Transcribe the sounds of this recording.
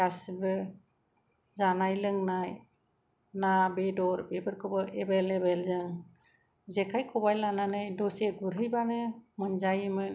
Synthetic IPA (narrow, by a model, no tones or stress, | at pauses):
asbɯ | zanajlɯŋnaj | nabedɔɾbɛbɯɾkʰɔbɔʔɛbɛlebɛlzɯŋ | zɛkʰajkʰɔbajlananɯjdɔseɡuɾɯjbanɯmɯnd͡ʒajɯmɯn